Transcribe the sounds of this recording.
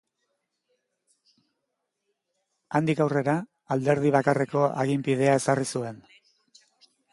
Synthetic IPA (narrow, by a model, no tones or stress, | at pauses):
and̪ikawre̞ɾa | ald̪e̞ɾð̞iβakare̞ko̞a̰ɣimpið̞e̞ae̞sarisue̞n